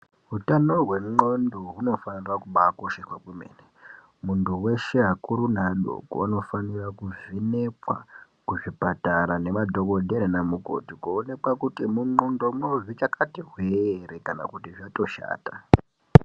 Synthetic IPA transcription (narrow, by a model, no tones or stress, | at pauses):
ɦutano̞ɦwe̞ŋ͡ǃondoɦuno̞fanirakuɓakoʃexwakwimḛːne | muntuwe̞ʃe̞ɦakuɾunaɗo̰ko̰ano̞fanirakuvine̞pwa̰ | kuʐipataɾane̞madʱo̞ko̞dʱeɾenamuko̰tikuone̞kwakutimuŋ͡ǃondomno̞ʐit͡ʃakatiɦwerekana̰kutiʐato̞ʃa̰ːta